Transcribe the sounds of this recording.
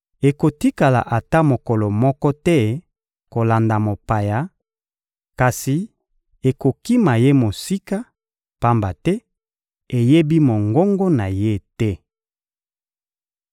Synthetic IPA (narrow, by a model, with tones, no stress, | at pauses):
e˨ko˨ti˦ka˨la̰˨ʔa˨ta˦mo˨kɔ˨lɔ˨mɔ˦kɔ˦tɛ˦ | ko˨la˨nda˨mo˨pa˨ja˨ | ka˨si˨ | e˨ko˨ki˦ma˨je˦mo˨si˦ka˦ | pa˦mba˨tɛ˦ | e˨je˦bi˦mo˨ŋɡo˦ŋɡo˦na˨je˦tɛ˦